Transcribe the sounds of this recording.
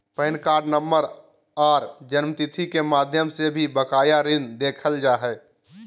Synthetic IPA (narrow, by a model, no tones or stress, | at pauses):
pəɪnkaːɾɖnəmːəɾ | aːɾd͡ʒənmt̪it̪ʰikemaːd̪ʱjəmsebʱibəkaːjaɾɪnd̪eːkʰəld͡ʒaːɦɛː